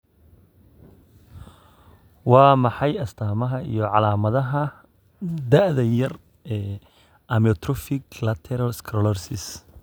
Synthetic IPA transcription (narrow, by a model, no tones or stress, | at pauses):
wɑːmɑħɑjɐst̪ʰaːmɐɦɐḭjɔʕɑlaːmɐðɐɦɐ | d̪ɐʔðɐjɐr | ɛː | ʔɐmɔt̪ʰɾɔfɪɡlɐt̪ʰɛɾɐlskʰɾɔlɔrsɪs